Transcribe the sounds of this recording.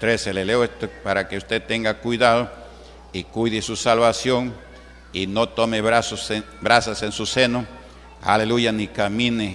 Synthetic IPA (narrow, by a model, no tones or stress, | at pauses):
t̪ɾeseleleoest̪opaɾakeust̪et̪eŋɡakwiðaðo | ikwuðisusalβasjoŋ | inot̪omeβɾasos | bɾasasensuseno | a̰lelujanikamine